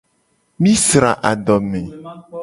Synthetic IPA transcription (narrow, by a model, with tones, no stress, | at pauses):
mĩ˦sɾa̰˨ʔa˨ɖɔ˨mɛ̃˨